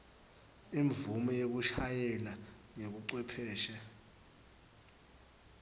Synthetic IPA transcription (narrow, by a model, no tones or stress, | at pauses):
iɱvumɔjok̬uʃʰajɛlaŋek̬uǀwɛpʰɛːʃɛ